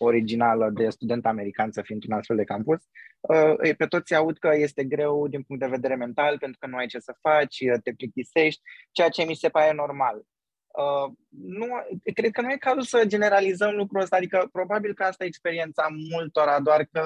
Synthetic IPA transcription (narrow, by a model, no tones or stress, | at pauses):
o̞ɾid͡ʒinaləd̪e̞st̪ud̪e̞nt̪ame̞ɾikansəfint̪unast̪fe̞ld̪e̞kampusəpe̞t̪o̞t̪sʲaud̪kəje̞st̪e̞ɡɾe̞wd̪inpuŋt̪̚d̪eve̞d̪e̞ɾe̞me̞nt̪alpe̞nt̪ɾukənuajt͡ʃe̞səfat͡ʃʲət̪e̞pɾit̪ise̞ʃt̪ʲt͡ʃe̞jat͡ʃe̞mise̞paɾe̞no̞rmal | ə | nukɾe̞d̪̚kənuje̞kazusəd͡ʒe̞ne̞ɾalizəmlukɾuəst̪aːd̪ikəpɾo̞babilkəast̪ajekspe̞ɾie̞nt̪samult̪o̞ɾad̪oarkə